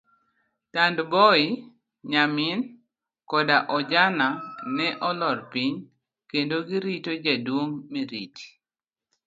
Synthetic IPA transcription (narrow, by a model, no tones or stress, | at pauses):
tandbɔi | ɲamɪn | kɔdaʔɔd͡ʒananɛʔɔlɔrpiɲ | kendoɡiɾitod͡ʒadwoŋmiɾḭt͡ʃ